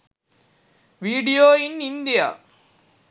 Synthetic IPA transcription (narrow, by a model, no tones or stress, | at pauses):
ʋiːɽijoːɪnɪnd̪ɪja̰ː